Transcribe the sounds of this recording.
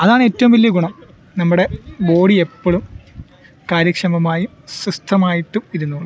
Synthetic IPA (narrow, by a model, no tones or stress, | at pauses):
ɐðaːɳɨe̞ːtːɐʋumʋilːjɐɡuɳɐm | nɐmːuɽe̞bo̞ːɽiepːoɭum | kaːɾjɐkʂɐmɐmaːji | sist̪ʰːɐmaːjiʈːuiɾunːuːɭ